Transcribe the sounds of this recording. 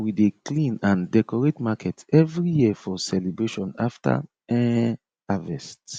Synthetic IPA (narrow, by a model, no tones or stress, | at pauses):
wideklĩnãndɛkɔɹetmakɛtɛvɹijifɔsɛlebɹeʃɔ̃naftʰa̰ | ɛ | avɛst